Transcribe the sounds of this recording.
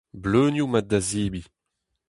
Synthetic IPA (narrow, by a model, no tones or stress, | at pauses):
bløːnjumadaziːbi